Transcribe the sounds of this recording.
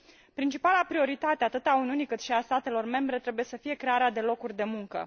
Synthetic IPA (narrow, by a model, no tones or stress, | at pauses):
pɾint͡ʃipalapɾio̞ɾit̪at̪eat̪ɨt̪auniunikɨt̪ʃiast̪at̪e̞lo̞rme̞mbɾe̞t̪ɾe̞buje̞səfije̞kɾe̞aɾead̪e̞lo̞kurʲd̪e̞muŋkə̰